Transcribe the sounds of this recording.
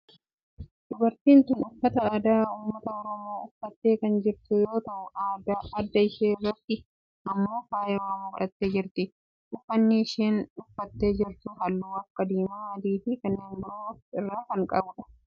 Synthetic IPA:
d̪̥ʊbɐɾt̪iːnt̪ʊnʊfːɐt̪ɐaːd̪aːhʊmːɐt̪ɐɔɾɔmoːʊfːɐt̪ːe̞ːkɐnd͡ʒɪɾt̪ʊjo̞ːt̪ɐʔʊaːd̪aːɐd̪ːɐɪʃeːrːɐt̪ːɪ | ʔɐmːo̞ːfaːjɛwaːmʊbɐɾʔɐt̪ːeːd͡ʒɪɾt̪ɪ | ʔʊfːɐnːɪːʃeːnʊfːɐt̪ːe̞ːd͡ʒɪɾt̪ʊɦɐlːuwɐkːɐd̪iːmɐːɐd̪iːfɪkɐnːeːnbɪɾofɪrːaːkɐŋkʼɐbʊᶑɐ̥

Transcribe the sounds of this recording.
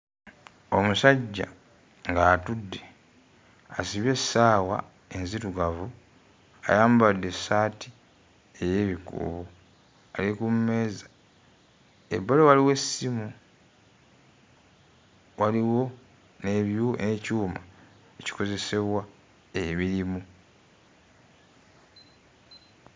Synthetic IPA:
o̞musaɟːa̰ | ŋɡaːtudːe̞ | asiβje̞saːwa̰ | e̞nzituɡavu | a̰jaːmbadːe̞saːtʰi | e̞je̞ːβikṵβo | alikumme̞ːzḁ | ḛbːalewaliwe̞simu | waliwo̞ | neβjunecuːma | eci̥ko̞ze̞se̞βwa | eβiɾimu

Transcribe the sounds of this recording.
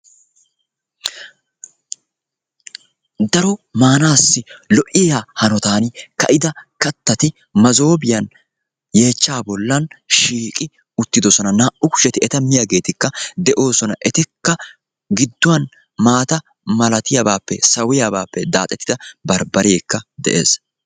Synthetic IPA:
d̪ɐɾɔmaːnaːsːɪlɔʔɪjaːhɐnɔt̪aːnkɐ̰ʔɪd̪ɐkɐt̪ːɐt̪ɪ | mɐzo̞ːbɪjɐn | je̞ːt͡ʃːaːbɔlːɐnʃiːkʼɪ | ʊt̪ːɪd̪ɔsɔnɐnaːʔʊkʊ̥ʃɛt̪ɪɛt̪ɐmɪjaɡe̞ːt̪ɪkːɐd̪ɛʔo̞ːsɔnɐʔɛt̪ɪkːɐ | ɡɪd̪ːʊwɐn | maːt̪ɐ | mɐlɐt̪ɪjabaːpːɛsɐwɪjabaːpːɛd̪a̰ːt̪ʼɛt̪ːɪd̪ɐbɐɾbɐɾeːkːɐd̪ɛ̰ʔe̞̰ːs

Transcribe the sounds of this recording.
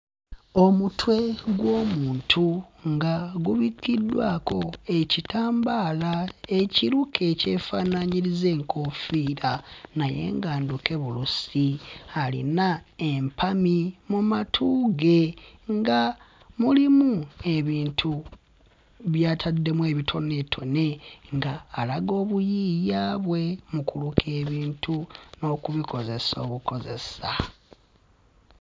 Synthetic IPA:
o̞mutwe̞ɡwo̞ːmuːntʰuŋɡaɡuβikːidːwaːko̞e̞citaːmbaːlae̞ciɾukʰe̞ce̞ːfaːnaɲiɾize̞ːŋkofiːɾanaje̞̰ːŋɡaːnduke̞βulusialḭnaempʰamimumatʰuːɡe̞ŋɡa | mulimue̞βiːntʰu | βjaːtʰadːe̞mwe̞ːβitʰo̞ne̞tʰo̞ne̞ŋɡaːlaɡo̞ːβujiːjaːβwe̞mukulukʰe̞ːβiːntʰuno̞ːkuβiko̞ze̞so̞ːβuko̞ze̞̰sa

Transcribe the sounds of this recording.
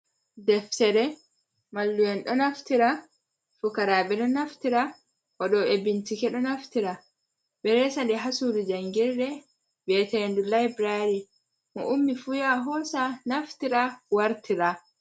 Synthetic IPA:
dɛftɛɾɛ | malːujɛnɗɔnaftiɾa | fukaɾaːɓɛɗɔnaftiɾa | ʔɔɗɔebintikɛɗɔnaftiɾa | ɓɛɾɛsandɛɦasuɾid͡ʒaŋɡiɾɗɛ | bɛːtɛndulajbɾaɾi | mɔ̰ʔumːifujaɦɔːsanaftiɾawaɾtiɾa

